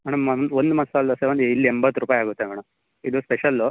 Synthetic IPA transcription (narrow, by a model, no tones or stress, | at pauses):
mɐɳɐmɐnond̪umɐnsalːɐseʋɐnd̪ilːiembɐt̪ːɾuːpaːjaːɡut̪ːemɐɳɐm | id̪uspeʃɐlːu